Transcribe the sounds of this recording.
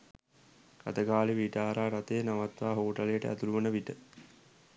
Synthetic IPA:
ɡ̥a̰t̪əɡaːliʋiʈaːɾaːɾat̪ejənaʋat̪ʋaːɦoːʈɐlejəʈə̰ʔæ̰t̪uluʋənəʋiʈə

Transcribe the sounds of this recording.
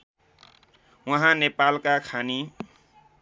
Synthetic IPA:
wʌɦãnepalkakʰani

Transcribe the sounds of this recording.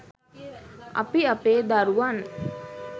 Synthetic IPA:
ɐ̰piɐpeːd̪ɐɾuʋan

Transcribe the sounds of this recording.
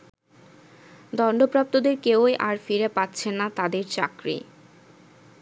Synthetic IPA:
d̪ɔɳɖopɾap̚t̪od̪eɾkewjʔaɾfiɾepat̪ːɕʰenat̪ad̪eɾt͡ɕa̰kɾḭ

